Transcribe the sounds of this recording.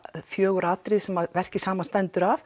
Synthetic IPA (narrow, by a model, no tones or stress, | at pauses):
fjœːɣʏɾaːt̪ɾɪðsɛmaðvɛr̥cɪsaːmanst̪ɛnt̪ʏɾav